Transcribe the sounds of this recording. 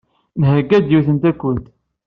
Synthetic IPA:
nhəɡːæd̪juθənt̪ækʷːənt̪

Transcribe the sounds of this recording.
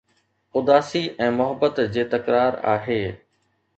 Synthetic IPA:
ʊd̪aːsiʔɛ̃ːmʊɦəbːət̪d͡ʑeːt̪ɐkɾaːɾa̰ːɦeː

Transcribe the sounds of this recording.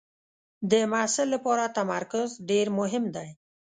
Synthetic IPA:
d̪əmasɪlːapɑɾat̪amaɾkʊzɖeɾmʊɦɪmd̪aj

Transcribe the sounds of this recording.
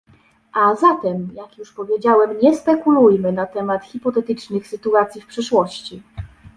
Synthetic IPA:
ʔazat̪ɛmjakjuʂpɔvʲjed͡ʑawɛmɲɛspɛkulujmɘnat̪ɛmat̪xʲipɔt̪ɛt̪ɘt͡ʂnɘxsɘt̪uat̪sʲjifpʂɘʂwɔɕt͡ɕi

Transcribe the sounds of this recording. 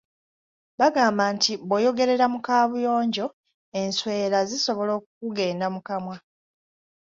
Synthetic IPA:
baɡaːmbaːntiβojo̞ɡe̞ɾe̞ɾamukaːβujo̞ːɲɟo̞ | e̞nswe̞ːɾaziso̞βo̞lo̞ːkukuɡe̞ːndamukamwa

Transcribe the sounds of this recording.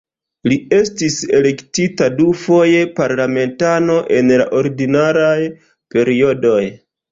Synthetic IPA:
lie̞stise̞le̞ktitadufo̞je̞paɾlame̞ntano̞ʔe̞nla̰ʔo̞ɾidinaɾaj | pe̞ɾio̞do̞j

